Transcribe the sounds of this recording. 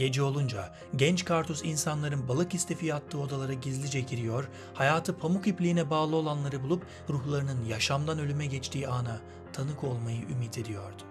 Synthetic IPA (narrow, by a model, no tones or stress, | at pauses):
ɟ̥e̞d͡ʒɛo̞lˠund͡ʒa | ɟɛnt͡ʃkʰaɾt̪ʰosinsanlˠaɾɯnbalˠɯkist̪ʰe̞fijat̪ʰːɯːo̞d̪alˠaɾaɟizlʲid͡ʒɛɟiɾijo̞ɾ | hajaːt̪ʰɯpʰamukiplʲiːnɛbaːlˠɯo̞lˠanlˠaɾɯbulˠup | ɾuxlˠaɾɯnɯnjaʃamd̪anø̞lʲymɛɟɛt͡ʃt̪ʰiːaːna | t̪ʰanɯkʰo̞lˠmajɯʔymiːt̪ʰe̞d̪ijo̞ɾd̪ʊ̥